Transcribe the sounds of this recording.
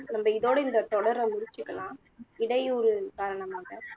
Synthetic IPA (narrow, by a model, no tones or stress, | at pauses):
nɐmːɐɪðoːɽɐɪnd̪ɐt̪ɔɽɐɾɐmʊɽɪt͡ʃːɯkːɐlãː | ɪɽɐɪɔɾɯkaːɾɐɳɐmaːɣɐ